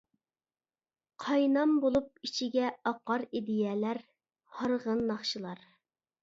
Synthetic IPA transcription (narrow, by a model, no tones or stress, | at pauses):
qʰɑjnɑmbolˠup̚it͡ʃʰiɡʲɛɑqːɑɾid̪ɪjɛlæɾ | hɑɾʁənːɑχʃɨlˠɑɾ